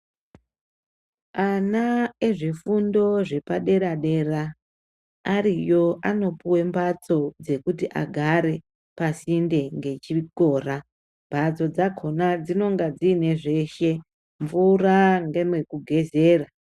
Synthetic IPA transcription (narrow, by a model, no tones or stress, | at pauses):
anaeʐifundo̞ʐe̞paɗe̞ɾaɗe̞raː | rijo̞ʔano̞puwe̞mbat͡so̞d͡ze̞kutiʔa̰ɡʱaɾe̞ | pasinde̞ŋɡe̞t͡ʃiko̞ːra | mbʱat͡so̞d͡zakʰo̞nad͡zino̞ŋɡad͡zine̞ʐe̞ʃe̞ | ɱvuraŋɡemwe̞kuɡʱe̞ze̞ːra